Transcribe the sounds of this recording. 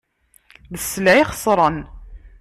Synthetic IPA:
ðəsːəlʕiχə̥sˤɾˤən

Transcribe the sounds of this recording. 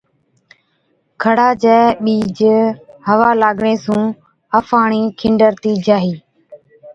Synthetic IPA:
kʰəɽaːd͡ʒɛːɓiːd͡ʒhəʋaːlaːɡɳeːsũː | əfʰaːɳiːkʰɪɳɖəɾt̪iːd͡ʒaːɦiː

